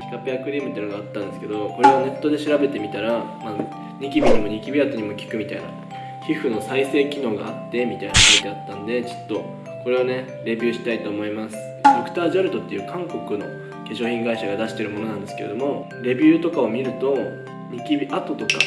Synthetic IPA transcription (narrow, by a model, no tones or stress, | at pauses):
i̥kapeakɯ̟ɾʲiːmɯt̪ːeiɯnoɡaːt̪ːãnd̪e̞sɨ̥ke̞d̪o̞ko̞ɾe̞ane̞t̪ːo̞d̪e̞ɕiɾabe̞t̪e̞mʲit̪aɾama | ɲ̟ikʲibʲiɲ̟imo̞ɲ̟ikʲibʲiat̪o̞ɲ̟imo̞kʲi̥kɯ̟mʲit̪aina̰ | hiɸɯ̟no̞saise̞ːkʲino̞ːɡa̰at̪ːe̞mʲit̪ainakood̪e̞at̪ːãnd̪e̞t͡ɕi̥t̪ːo̞ | ko̞ɾe̞ane̞ | ɾe̞bʲɨːɕi̥t̪ait̪o̞ːmo̞imasɨ̥ | d̪okɯ̥t̪aːʑaɾɯ̟d̪o̞t̪ːe̞jɯ̟ːkʰãŋko̞kɯ̟no̞̰ | ke̞ɕo̞ːçʲĩŋɡaiɕaɡad̪aɕi̥t̪e̞ɾɯmo̞no̞nãnd̪e̞sɨ̥keed̪o̞mo̞ | ɾe̞bʲɨːt̪o̞kao̞mʲiɾɯ̟t̪o̞ | ɲ̟ikʲibʲiʔat̪o̞t̪o̞ka̰